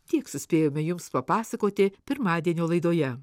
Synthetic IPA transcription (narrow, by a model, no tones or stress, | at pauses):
t̪ʲiɛksʊsʲpʲeːjoːmʲɛjʊmspɐpɑːsɐkoːt̪ʲɪpʲɪɾmɑːd̪ʲiɛnʲoːlˠɐɪd̪oːjɛ